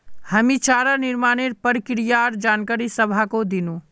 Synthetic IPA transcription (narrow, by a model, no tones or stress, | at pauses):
həmit͡ʃaːɾanɪɾmaːneɾpəɾkɾijaɾd͡ʒaːnkaɾisəbʱakod̪inũ